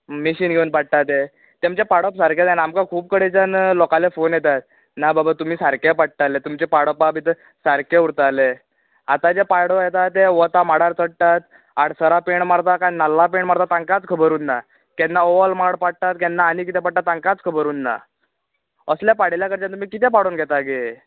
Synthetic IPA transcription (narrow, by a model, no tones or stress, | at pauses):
miɕiːnɡʱeuːnpaɽ̚ʈ̪at̪e | t̪amt͡ɕepaɽəpsaɾkjat̪anaːmkakʰuːb̚kəɽet͡ɕənlɔkalefonjet̪at̪̚ | nababat̪um̤iːsaɾkepaɽ̚ʈalet̪umt͡ɕepaɽəpabit̪ə | saɾkeuɾt̪ale | at̪ad͡ʑepaɽojet̪at̪eʋət̪amaɽaɾt͡səɽʈ̪at̪ | aɽsəɾapeɳmaɽt̪akajnalːapeɳmaɽt̪at̪ãŋkat͡skʰəbəɾuːnːa | kɛnːaoʋəlmaɽpaɽʈ̪at̪̚kɛnːaːnik̬it̪ɛpaɽ̚ʈ̪ːat̪ãŋkat͡skʰəbəɾuːnːa̰ | əsljapaɽeljakəɾt͡ɕant̪̬umiːkit̪ɛpaɽuːnɡʱɛt̪aɡe